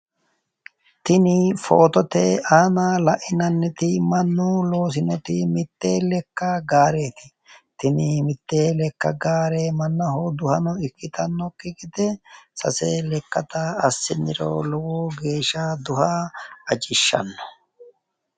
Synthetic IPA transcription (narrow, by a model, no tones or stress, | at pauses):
t̪ɪnɪfoːt̪ɔt̪eːaːnaːlɐʔɪnɐnːɛt̪ɪmɐnːulo̞ːs̬ɪnɔt̪ɪmɪt̪ːe̞ːlɛkːɐɡaːɾe̞ːt̪ɪ̥ | t̪ɪnɪmɪt̪ːeːlɛkːɐ̰ɡaːɾeːmɐnːɐhoːd̪ʊhɐnɔɪkːɪt̪ɐnːɔkʼɪkʼɪd̪ɛsɐ̰seːlɛkːɐt̪ɐɐsːɪnːɪɾo̰ːlɔwoːɡe̞ːʃːaːd̪ʊhɐɐd͡ʒɪʃːɐ̰nːɔ̥